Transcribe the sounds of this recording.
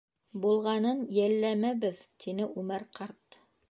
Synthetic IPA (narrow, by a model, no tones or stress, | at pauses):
bulˠʁɑnɤnjælːæmæβɘðt̪ʰinɘʔʉmæɾqʰɑɾt̪